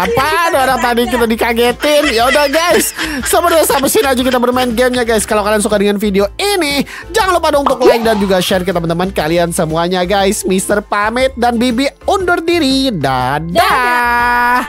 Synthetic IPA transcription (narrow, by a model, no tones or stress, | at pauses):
apadaoɾaŋt̪adik̬it̪adikaɡet̪ɪnjaudahɡajsːəbərbiasabasɪnad͡ʒukit̪abərmaɪnɡɛmɲaɡajskalawkalians̬ukadəŋanfideoini | d͡ʒaŋanlopadaunt̪ʊklaɪk̚dand͡ʒuɡaʃɛrk̬it̪abənt̪əmankaliansəmuaɲaɡajsmist̪ərpamɛt̪̚danbibiundʊrdiɾida̰da